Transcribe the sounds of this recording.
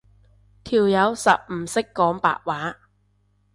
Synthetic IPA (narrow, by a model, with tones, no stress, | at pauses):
t̪ʰiː˨wjɐ˨˧˥wsɐ˨p̚m̩ː˨˩sɪ˥kːɔː˨˥ŋpa̰ː˨ʔ̚waː˨˥